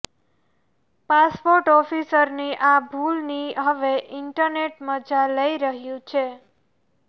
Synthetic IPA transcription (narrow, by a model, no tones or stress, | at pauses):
paspoɾʈɔfisəɾniʔabʱulniɦəʋeʔɪɳʈəɾneʈməd͡ʒaləiɾəɦjũt͡ʃʰe